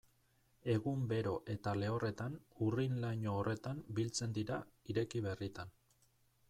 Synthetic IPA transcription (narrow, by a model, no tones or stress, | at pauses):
e̞ɣumbe̞ɾo̞ʔe̞t̪ale̞o̞re̞t̪anurinlaɲoːre̞t̪ambilt͡se̞nd̪iɾaiɾe̞kiβe̞rit̪an